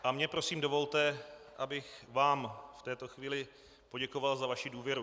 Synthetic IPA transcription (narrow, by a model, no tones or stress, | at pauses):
ʔamɲɛpɾo̞siːmdo̞vo̞lt̪ɛʔabɪxvaːmft̪ɛːt̪o̞xviːlɪ | po̞ɟɛko̞valzavaʃɪduːvjɛɾu